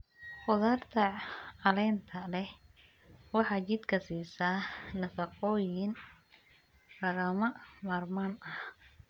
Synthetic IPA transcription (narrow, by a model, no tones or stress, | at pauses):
qʊðaːrt̪ʰɐʕɑlɛːnt̪ʰɐlɛh | wɑħɑːt͡ʃɪd̪kʰɐsiːsaːnɐfɐqɔːjɪn | rɐɣɐmɐmaːrmaːnɐh